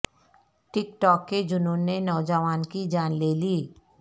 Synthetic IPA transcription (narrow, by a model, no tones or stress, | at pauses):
ʈɪkʈɔːkːed͡ʒʊnũːnːenɔːd͡ʒəʋaːnkid͡ʒaːnleːliː